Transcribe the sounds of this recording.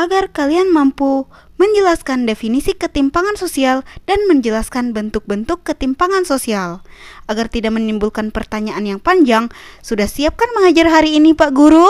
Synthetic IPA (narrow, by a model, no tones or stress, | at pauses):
ʔaɡarkalianmampu | məɲd͡ʒəlaskandefinisikət̪impaŋansosiald̥anməɲd͡ʒəlaskanbənt̪ʊk̚bənt̪ʊkːət̪impaŋansosialʔaɡart̪idaʔmənimbulkanpərt̪aɲaʔanjaŋpaɲd͡ʒaŋsudahsiap̚kanməŋad͡ʒarɦaɾiːnipaʔɡuɾu